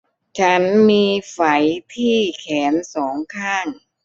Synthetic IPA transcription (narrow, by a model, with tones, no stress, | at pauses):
t͡ɕʰa˦˥nmiː˧fa˩˦jt̪ʰiː˥˩kʰɛː˩˦nsɔː˩˦ŋkʰaː˥˩ŋ